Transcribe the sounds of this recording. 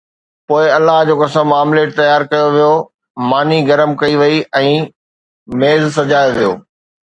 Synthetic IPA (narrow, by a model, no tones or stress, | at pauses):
poːɪɐlːaɦd͡ʑoːkɐsəmmːaːmleːʈ̚t̪ɐjaːɾkɐjoʋijo | maːniɡɐɾəmkɐiʋɐiʔɛ̃ː | meːzsɐd͡ʑaːjoʋijo̰ː